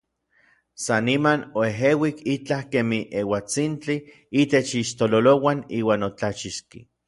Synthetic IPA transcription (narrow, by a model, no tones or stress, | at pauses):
sanimanoeɦewikit͡ɬahkemiʔewat͡sint͡ɬi | it̪et͡ʃiʃt̪ololowaniːwaːnot͡ɬat͡ʃiʃkḭ